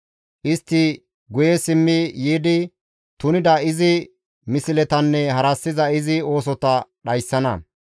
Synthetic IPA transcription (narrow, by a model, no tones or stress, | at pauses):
ʔɪst̪ːɪ | ɡʊjɛsɪmːɪjiːd̪ɪ | t̪ʊnɪd̪ɐɪzɪ | mɪsɪlɛt̪ɐnːɛhɐɾɐsːɪzɐɪzɪo̞ːs̬ɔt̪ɐɗɐjsːɐnɐ̰